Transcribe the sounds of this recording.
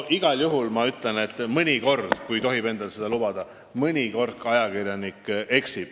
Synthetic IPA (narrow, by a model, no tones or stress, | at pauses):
ʔiɡ̥ɑljuɦulmɑyt̪lene̞t̪ːˑmɤnʲiko̞rd̪̥kujt̪o̞ɦibe̞nd̪ɑlse̞d̪̥ɑlub̥ɑd̪̥ɑ | mɯnʲiko̞rt̪̚kɑjɑkirjɑnikːe̞ksib̥